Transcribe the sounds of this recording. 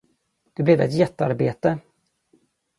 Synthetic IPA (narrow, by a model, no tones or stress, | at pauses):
d̪̥ɛblɛvɛt̪jɛt̪ːa̰ɾbeːt̪ə